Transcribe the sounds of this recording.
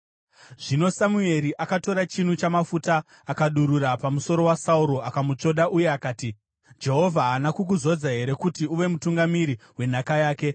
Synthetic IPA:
ʐino̞samue̞ɾiʔakato̞ɾat͡ʃin̤ut͡ʃamafutaː | kaɗuɾuɾapamuso̞ɾo̞wasauɾo̞akamut͡ʂo̞ɗaʔuje̞akaːti | d͡ʒe̞ɦo̞vʱaɦanakuk̬uzo̞d͡zaɦe̞ɾe̞kutiuʋe̞mutuŋɡamiɾiwe̞n̤akajaːke̞

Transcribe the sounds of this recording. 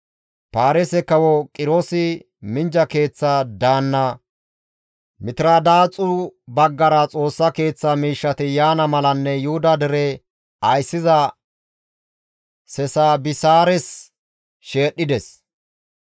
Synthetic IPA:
paːɾɛsɛkɐwɔkʼɪɾoːsɪ | mɪnd͡ʒɐke̞ːt͡sːad̪aːnːɐ | mɪt̪ɪɾad̪aːt͡sʼʊbɐɡːɐɾɐt͡sʼo̞ːsːɐke̞ːt͡sːɐmiːʃːɐt̪ɪjaːnɐmɐlɐnːɛjʊhʊd̪ɐd̪ɛɾɛ | ɐjsːɪzɐ | sɛsaːbɪsaːɾɛs | ʃe̞ːɗːɪd̪ɛs

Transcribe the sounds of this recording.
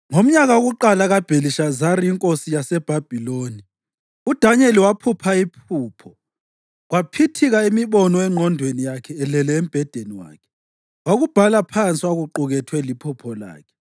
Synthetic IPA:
ŋom̩ɲaɣaoɣuǃalaɣab̥ʱeliʃazaɾiiŋkʼosijasɛb̥ʱab̥ʱiloːni | ud̥ʱaɲeliwapʰupʰaipʰuːpʰɔ | ɣwapʰitʰiɣaemiβɔnɔɛŋ͡ǃʱɔndʱwenijakʰɛːlɛlɛem̩b̥ʱɛd̥ʱeniwa̰ːkʰɛ̥ | waɣub̥ʱalapʰant͡sʼiwaɣuǃuɣɛtʰwɛlipʰupʰɔla̰ːkʰɛ̥

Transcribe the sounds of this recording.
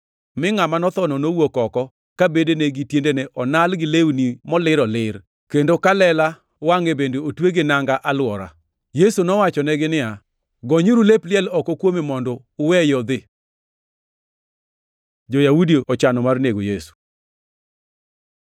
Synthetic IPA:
mɪŋamanɔt̪ɔnɔnowokɔkɔ | kabedeneɡitjendeneʔɔnalɡɪlewnimɔlɪɾɔlɪr | kendokalɛla | waŋebendeotweɡɪnaŋɡaʔalwɔɾa̰ | jesunɔwat͡ʃɔnɛɡɪnɪja | ɡɔɲuɾuleplɪɛlɔkɔkwomemɔndɔːwɛjɔd̪ɪ | d͡ʒojawudiɔt͡ʃanɔmarneɡojesu̥

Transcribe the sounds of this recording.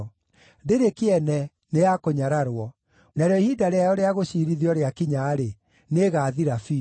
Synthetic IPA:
ndeɾekeɛnɛ | nejakoɲaɾaɾwɔ | naɾjɔihidaɾeajɔɾeaɣoɕiɾiðiɔɾeakiɲaːɾe | neɣaːðiɾafi

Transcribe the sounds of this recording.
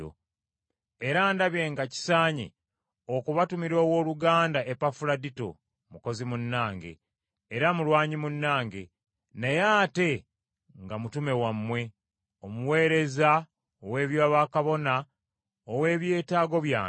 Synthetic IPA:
o̰ | eɾaːndaβje̞ːŋɡaci̥saːɲḛ | okuβatumiɾo̞ːwo̞ːluɡaːndaʔepafuɾadito̞̰ | muko̞zimunːaːŋɡe̞̰ː | ɾamulwaːɲimunːaːŋɡe̞ | nejaːte̞ | ŋɡamutume̞wamːwe̞ | omuwe̞ːɾe̞za | owe̞ːβjaːβakaβo̞na | owe̞ːβje̞ːtaːɡo̞βjaː

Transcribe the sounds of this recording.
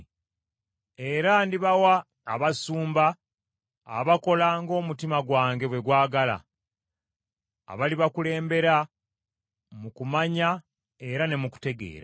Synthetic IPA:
e̞ɾandiβawaː | βasuːmba̰ː | βako̞laŋɡo̞ːmutimaɡwaːŋɡe̞βwe̞ɡwaːɡala̰ | βaliβakule̞ːmbe̞ɾa | mukumaɲa | e̞ɾane̞muku̥te̞ɡe̞̰ːɾa

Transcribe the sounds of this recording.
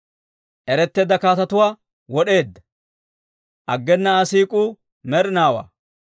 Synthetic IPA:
ʔɛɾɛt̪ːe̞ːd̪ɐkaːt̪ɐt̪ʊwaː | wɔɗe̞ːd̪ːɐ̥ | ʔɐɡːɛnːɐːsiːkʼuː | mɛɾɪnaːwa̰ː

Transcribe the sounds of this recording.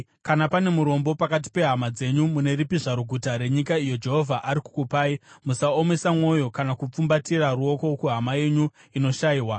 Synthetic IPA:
kanapane̞muɾo̞mbo̞pakat̬i̥pe̞ɦamad͡ze̞ɲumune̞ɾipiʐaɾuɡʱutaɾe̞ɲikaijo̞d͡ʒe̞ɦo̞vʱaʔaɾiku̥kupaːimusao̞me̞samŋo̞jo̞kanakup͡fumbatiraruo̞ko̞kuɦamaje̞ɲu | ino̞ʃaiːwa

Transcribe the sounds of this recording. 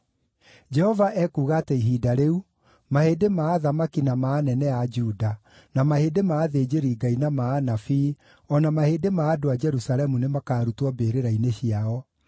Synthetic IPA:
d͡ʒɛhɔvaʔɛkuːɣateiɦidaɾeu | mahedemaːðamakinamaːnɛnɛad͡ʒuːda | namaheːdemaːðed͡ʑeɾiːɡainamaːnafiː | ɔnamaheːdemaːdoad͡ʒɛɾusalɛmunemakaːɾutwɔbeːɾeɾaineɕiaɔ

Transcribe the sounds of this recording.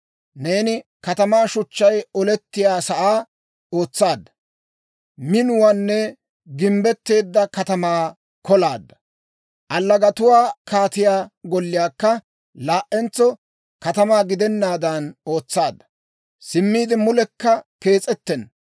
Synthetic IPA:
ne̞ːnɪkɐt̪ɐmaːʃʊt͡ʃːɐjɔlɛt̪ːɪjaːsɐʔaː | o̞ːt͡sːaːd̪ːɐ | mɪnʊwaːnːɛ | ɡɪmbɛt̪ːe̞ːd̪ːɐkɐt̪ɐmaː | kɔlaːd̪ːɐ | ʔɐlːɐɡɐt̪ʊwaːkaːt̪ɪjaːɡɔlːɪjaːkːɐ | laːʔɛnt͡sːɔ | kɐt̪ɐmaːɡɪd̪ɛnːaːd̪ɐno̞ːt͡sːaːd̪ːɐ̥ | sɪmːiːd̪ɪmʊlɛkːɐke̞ːt͡sʼɛt̪ːɛn

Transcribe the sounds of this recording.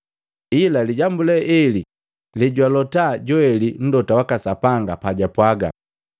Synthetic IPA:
ilaliɟambulɛʔɛli | liɟwalɔtaɟɔɛlin̩dɔtawakasapaŋɡapaɟapwaɡa̰

